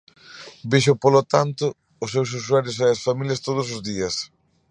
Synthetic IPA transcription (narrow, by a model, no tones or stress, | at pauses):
biʃʊpolot̪ant̪ʊː | sːews̬uswaɾjʊseɐsfamiljɐst̪oð̞ʊs̬ʊzðiɐs